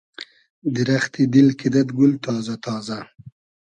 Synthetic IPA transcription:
d̪ɪɾaxt̪id̪ɪlkɪd̪at̪ɡʊlt̪ɑːzat̪ʰɑːza

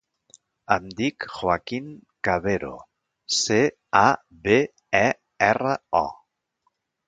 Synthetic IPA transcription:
amd̪ikxwakiŋkaβeɾo̰ | se | a | βe | ɛ | ɛraɔ̰

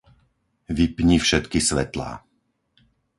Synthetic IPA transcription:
ʋipɲifʃɛt̪kisʋɛt̪la̰ː

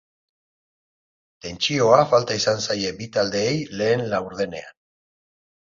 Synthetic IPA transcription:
t̪e̞nt͡ʃio̞afalt̪aisansaje̞bit̪ald̪e̞ːjle̞ːnlawɾð̞e̞ne̞̰a̰n

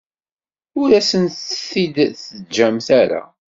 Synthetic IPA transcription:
ʊɾæsənt̪fid̪θəd͡ʒæmθæɾa̰

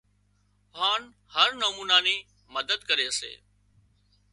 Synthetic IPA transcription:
ɦaːn | həɾnəmuːnaːneː | məd̪əd̪kəɾeːəsḛː

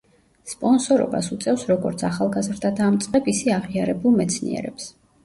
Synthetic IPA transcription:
spʼɔnsɔɾɔ̰ba̰sut̪sʼɛfsɾɔɡɔɾt̪sʰaχalˠɡazɾd̪ad̪aːmt̪sʼqʼɛbisɛaʁiaɾɛbulˠmɛt̪sʰnḭɛ̰ɾɛ̰ps

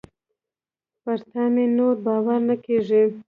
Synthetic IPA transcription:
paɾt̪ɑmenoɾbɑwaɾnakeʐi

